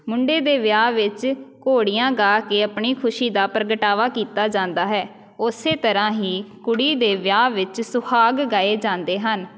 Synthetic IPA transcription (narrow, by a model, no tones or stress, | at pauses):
mʊɳɖeːd̪eːʋjaːʋɪt͡ʃkoːɽijãːɡaːkeːəpɳiːkʰʊʃiːd̪aːpɾəɡəʈaːʋaːkiːt̪aːd͡ʒãːnd̪aːɦɛː | ʊseːt̪əɾãːɦiːkʊɽiːd̪eːʋjaːʋɪt͡ʃsʊkʰaːɡɡaːeːd͡ʒãːnd̪eːɦən